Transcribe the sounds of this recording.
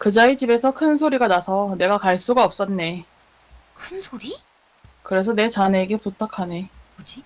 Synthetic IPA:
kɯd͡ʑait͡ɕibe̞sʰʌkʰɯnsʰoɾiɡanasʰʌne̞ɡakaɭs͈uɡaʌp̚s͈ʌnːe̞ | kʰɯnsʰoɾi | kɯɾe̞sʰʌne̞t͡ɕane̞ɡe̞putʰakʰane̞d͡ʑi

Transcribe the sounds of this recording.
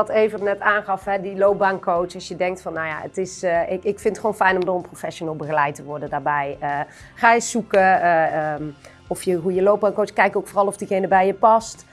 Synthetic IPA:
tejvənɛtaːnχɑfɦɛdilowp̚baŋkowt͡ʃɑsjədɛŋktfɑnːawja̰ə̰tɪsɪkɪkfɪntχʋownfɛjnɔmdʊːrənprofɛʃonəlˠbəɣəlɛjtəʋɔɹdədaːɹbɛjə | χaːjəsukə | ɔfjəɦujəlowp̚baːŋkowt͡ʃskɛjkowkfoːrɑlˠɔfdiɣejnəbɛjjəpɑst

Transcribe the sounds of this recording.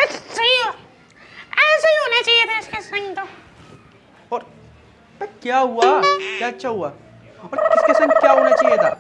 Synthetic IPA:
ɐt͡ʃt͡ʃɐio | ɛːseiɦoːnat͡ʃaːiet̪ʰaɪskesɐ̃ŋt̪o | ɔːɾ | t̪ɐkjaːɦuaːkjaːt͡ʃʰːaɦuaː | ɔːɾkɪskesɐ̃ŋɡkʲjaːɦoːnat͡ʃaːijet̪ʰaː

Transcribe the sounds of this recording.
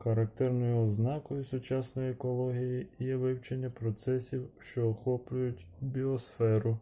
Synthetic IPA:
xɐɾɐk̚t̪ɛrnɔjʊɔznɑkɔjʊsʊt͡ʃɑsnɔjiɛkɔlˠɔɦʲijijɛʋɪwt͡ʃenʲːɐpɾɔt̪sɛsʲiwʃt͡ʃɔːxɔplʲʊjʊtʲ | bʲiɔsfɛɾʊ

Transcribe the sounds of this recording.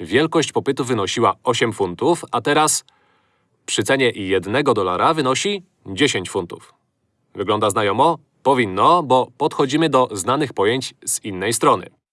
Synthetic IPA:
vʲjɛlkɔɕt͡ɕpɔpɘt̪uvɘnɔɕiwaɔɕɛmfunt̪ufat̪ɛɾas | pʂɘt̪sɛɲɛjɛd̪nɛɡɔd̪ɔla̰ɾavɘnɔɕi | d͡ʑeɕeɲt͡ɕfunt̪ṵf | vɘɡlɔnd̪aznajɔmɔ | pɔvʲinːɔbɔpɔt̪xɔd͡ʑimɘd̪ɔznanɘxpɔjeɲt͡ɕz̥inːɛjst̪ɾɔnɘ̰

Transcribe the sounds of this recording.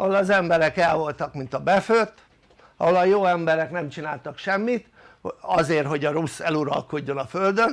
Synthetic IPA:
ɒɦolɒzɛmbɛɾɛkɛlvo̞lt̪ɒkmint̪ɒbɛføt̪ː | ɒɦolɒjoːɛmbɛɾɛknɛmt͡ʃinaːlt̪ɒkʃɛmːit̪ | ɒzeːrɦo̞ɟɒɾusɛluɾɒ̰lko̞ɟːo̞nɒføld̪øn

